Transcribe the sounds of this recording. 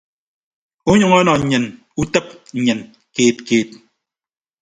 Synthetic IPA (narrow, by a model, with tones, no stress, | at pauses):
u˦ɲɨ˨ŋɔ˦nɔ˨ɲ̩˨ɲɨ˨n | u˦tə˦p̚ɲ̩˨ɲɨ˨n | keː˨t̚keː˨t̚